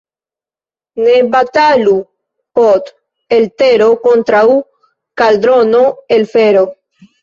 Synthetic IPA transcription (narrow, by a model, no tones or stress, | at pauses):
nebat̪alu | pot̪ | elt̪eɾokont̪ɾau | kald̪ɾonoelfeɾo